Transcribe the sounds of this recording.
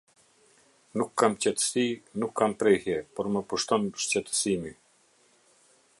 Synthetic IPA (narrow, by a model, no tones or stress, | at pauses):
nukʰːamt͡ɕɛt̪ə̥sinukʰːampɾɛhjɛpɔɾməpuʃt̪ɔnʃt͡ɕɛt̪ə̥simi